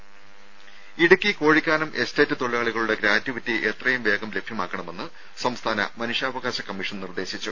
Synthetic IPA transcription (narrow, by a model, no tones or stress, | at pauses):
iɽukʲːiko̞ːɻikʲːaːnɐmʔesteːtːɨt̪oɭiaːɭiɣɐɭuɽe̞ɡɾaːtːiʋitːiʔet̪rɐjumʋe̞ːɡɐmle̞bʱjɐmaːkːɐɳɐme̞nːɨ | sɐmst̪ʰaːnɐ̰mɐnuʂaːʋɐɣaːɕɐkɐmːiʂɐnnird̪e̞ːɕit͡ɕːu